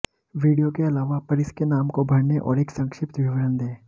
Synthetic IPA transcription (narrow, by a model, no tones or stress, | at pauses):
ʋiːɖijokeɐlaːʋapɐɾɪskenaːmkobʱɐɽneʔɔ̰ːɾeːksɐ̃ŋkʃɪpt̪ʋɪʋəɾənd̪ẽː